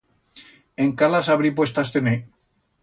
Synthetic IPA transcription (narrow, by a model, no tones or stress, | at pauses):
eŋkalasaβɾipwest̪ast̪enej